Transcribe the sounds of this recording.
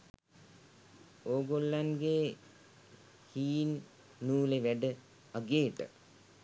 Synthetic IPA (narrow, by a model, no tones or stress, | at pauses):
oːɡolːanɡeː | hiːnː | uːleʋæɖə | aɡeːʈə̰